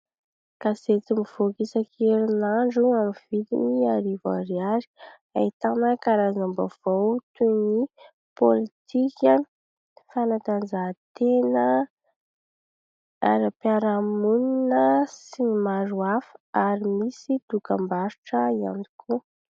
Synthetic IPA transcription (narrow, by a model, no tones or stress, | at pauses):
kaset͡simiv̥okisakʰeɾinaɳɖ͡ʐuamivid̪ḭniaɾiva̰ɾiaɾi̥ | a̰it̪anəkaɾazambav̥awt̪uni | polit̪ʰikani̥ | fanat̪and͡zat̪enə | a̰ɾapjaɾamuninəsinimaɾuafə̥aɾimisid̪ukambaɾuʈ͡ʂəia̰ni̥kʰu